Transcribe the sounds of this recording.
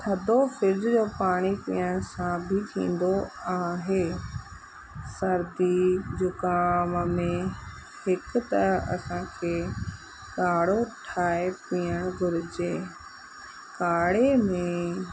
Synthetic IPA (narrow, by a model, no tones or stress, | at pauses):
sʰɐd̪ʱofɪɾd̪d͡ʑoːpaːɽ̃ipḭːəɽ̃sãbʱɪt̪ʰḭ̃ːn̆d̪oaːɦeː | sɐɾd̪id͡ʑʊkaːmmẽ | hɪk̆t̪ɐɐ̰sãkʰeː | kaːɽoʈʰaːepiːəɽ̃ɡʱʊɾɪd͡ʑeː | kaːɽemẽ